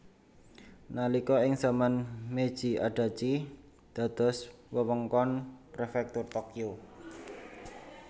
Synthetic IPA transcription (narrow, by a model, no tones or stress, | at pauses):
nalikɔɪŋsamanmed̥ʒ̥i̤a̰ɖ̥a̤t͡ʃi | d̪̥ä̤d̪̥ɔ̤s | wəwəŋkɔnpɾefɛk̚t̪ʊrt̪ɔkio